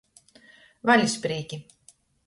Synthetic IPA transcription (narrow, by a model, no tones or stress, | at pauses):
vɑlʲspɾiːkʲi